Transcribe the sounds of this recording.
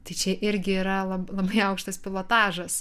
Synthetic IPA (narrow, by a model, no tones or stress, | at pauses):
t̪ɐɪt͡ʃʲɛʔɪɾʲɡʲɪiːɾɐlˠɐlˠɐbɐɪɐʊkʃt̪ɐspʲɪlˠoːt̪ɑːʒɐs